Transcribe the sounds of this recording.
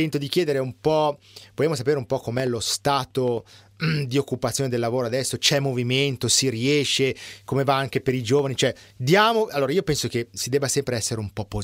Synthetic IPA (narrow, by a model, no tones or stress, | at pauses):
ɛnt̪od̪ik̟jɛːd̪eɾeumpɔ | voljamosapeːɾeumpɔkːomɛlost̪aːt̪o | d̪iokːupat̪sːjoːned̪elːavoːɾoad̪ɛsːot͡ʃɛmːoviment̪osiriɛːʃːekomevaaŋkepeɾid͡ʒoːvanit͡ʃoɛd̪jaːmoalːoːɾaiːopɛnsok̟esid̪ɛːbːasɛmpɾeɛsːeɾeumpɔpːo